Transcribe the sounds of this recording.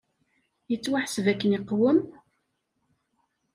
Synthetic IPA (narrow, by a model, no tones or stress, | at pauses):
jət͡sːwaħsvækːəniqːwəm